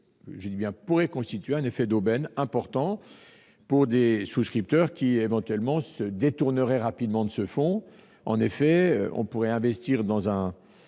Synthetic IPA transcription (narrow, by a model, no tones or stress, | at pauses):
ʒəd̪ibjɛ̃puʁɛkɔ̃st̪it̪ɥeɛ̃nefɛd̪obɛnɛ̃pɔʁt̪ɑ̃ | puʁd̪esuskχip̚t̪œʁkʲievɑ̃t̪ɥɛlmɑ̃səd̪et̪uʁnəʁɛʁapid̪mɑ̃d̪əsəfɔ̃ | ɑ̰̃nefɛø̰ʔɔ̰̃puʁɛɛ̃vɛst̪iːʁd̪ɑ̃zɛ̃